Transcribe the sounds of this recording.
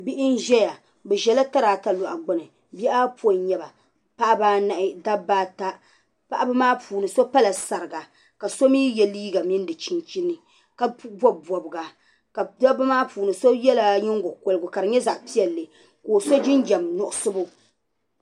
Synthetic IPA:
bi˦ʔɪ˦n˦ʒɛ˦ja˨ | bɛ˨ʒɛ˨la˦ta˦ɾaː˨ta˦lʊ˨ʔa̰˨ɡ͡bʊ˦nɨ˨ | bɛ˦ʔa˦po˨ɲɛ˦ba˨ | pa˦ʔbaː˦na˨ʔɪ˦da˦bːaː˦ta˦ | pa˦ʔa˦bɨ˦maː˦pʰuː˨nɨ˨so˦pa˦la˨sa˨ɾɨ˨ɡa˨ | ka˨so˦miː˦jɛ˨liː˦ɡa˨mi˦n˦dɨ˨t͡ʃi˦nt͡ʃi˦nːɨ˨ | ka˦bɔ˦bɔ˨bɨ˨ɡa˨ | ka˨da˦ba˦maː˦pʰuː˨nɨ˨so˦jɛ˦la˨ɲɪ˦ŋɡo˨ko˨lɨ˨ɡʊ˨ka˨ɾɨ˨ɲɛ˦za˨ʔpi˦ɛ˨lːɨ˨ | koː˨so˦d͡ʒɪ˦nd͡ʒɛ˨mnʊ˨ʔʊ˦sɨ˦bʊ˦

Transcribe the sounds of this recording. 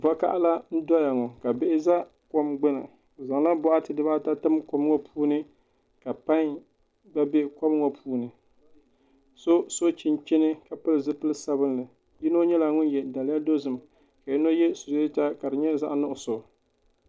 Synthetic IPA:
va˦ka̰˦ʔa˦la˦n̩˦dɔ˦ja˨ŋɔ˨ka˨bɪ˦ʔɪ˦za˦ | ko˦mɡ͡bɨ˦na̰˨ | za˨ŋ˦la˦bɔ˦ʔa˦tɨ˨dɨ˦baː˦ta˦tɨ˦mko˦m˦ŋɔ˦pʰuː˦nɨ˦ | ka˨pa˦ŋ | ɡ͡ba˦bɛ˦kɔ˦m˦ŋɔ˨pʰuː˦nɨ˨ | so˦so˦t͡ʃɪ˦nt͡ʃɪ˦nɨ˦ka˨pɨ˦lɨ˨zɨ˦pɨ˦lɨ˦sa˦bɨ˦n˦lɨ˨ | ji˦no˦ɲɛ˦la˨ŋʊ˦njɛ˨da˨lɪ˦ja˦do˦zɨ˨m˨ | ka˨ji˦no˦jɛ˦su˨ze˦ta˦ka˨dɨ˨ɲɛ˦za˦ʔnʊ˦ʔʊ˨so˨

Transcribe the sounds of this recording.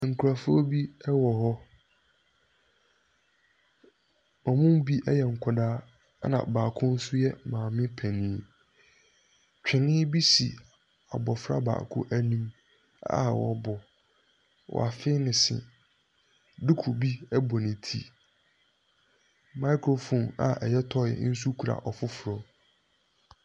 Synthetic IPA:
ŋ̩˨kʰu˨ɾa˨fʊ˦o˦bi˦ɛ˦wɔ˨hɔ˦ | ɔ˨mʊ̃˦m˦bi˦ʔɛ˦jɛ˨ŋ̩˨kʰɔ˨daː˦ | nã̰˨baː˨kʰʊ̃˦n̩˦sʊ˦jɛ˦mãː˨mɪ̃˦pʰɛ˨nĩ˦ | t͡ɕᶣɪ˨nɪ̃˦bi˦si˨ | a˨bɔ˨fɾa̰˦ba̰ː˨kʰʊ̰˦ʔæ˦nĩ˦m | a̰˦˨wɔ̰˨bɔ˨ | wɔ̰˨a˨fɪ˦nɪ̃˨sɪ̰˨ | dʊ˦kʰu˨bi˦ɛ˦bɔ˨nɪ̃˨tʰḭ˦ | mã˦kʰɾo˨fɔ̃˨na̰˨ʔɛ˨jɛ˦tʰɔ˦˨ɛ̰˨˦n̩˦s̬u˦kʰu˨ɾa̰˨ʔɔ˨fʊ˦fʊ˨ɾɔ˦

